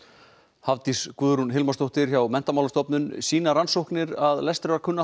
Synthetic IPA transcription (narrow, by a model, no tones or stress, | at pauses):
havt̪iskuðɾunɦɪlmast̪owht̪ɪɾ̥çawmɛn̥t̪amawlast̪ɔpnʏnsiːnaɾansowhknɪɾaðlɛst̪ɾɛaɾkʰʏnːa